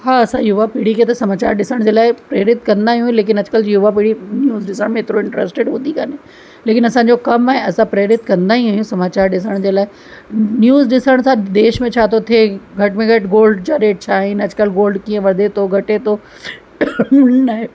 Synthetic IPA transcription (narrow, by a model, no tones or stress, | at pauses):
haːɐsãjuːʋapiɽikʰet̪ɐsɐmaːt͡ɕa̰ːɾɗɪsəɽ̃d͡ʑeːlaːɪpɾeːɾɪt̪kɐ̃nd̪aːɦiũuĩleːk̬ɪnɐd͡ʑʊkəljuʋapiɽinjuːzɖɪsə̃mẽɦeːt̪ɪɾoɪ̃ɳʈɾḛːsʈeɖɦũːnd̪ikane | leːkɪnɐsãːɲ̆d͡ʑokɐmaɦẽɐsãpɾeːɾɪt̪kɐ̃nd̪aːɦĩɦuːjũsɐmaːt͡ɕaːɾɗɪsəɽ̃d͡ʑeːlaːɪ | njuːzɗɪsəɽ̃sãd̪eːʃmẽt͡ɕʰaːt̪ʰot̪ʰeːɡʱɐʈmẽɡʱɐʈɡoːlɖt͡ɕaɾeːʈ̚t͡ɕʰaːɦɪnɐd͡ʑkəlɡoːlɖkiːə̃ʋɐd̪et̪ʰoɡʱɐʈet̪o | nɐɦe